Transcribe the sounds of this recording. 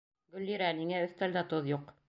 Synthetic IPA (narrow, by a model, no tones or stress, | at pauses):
ɡɵ̆lːiɾæniŋæɵ̆θt̪æld̪æt̪oðjuq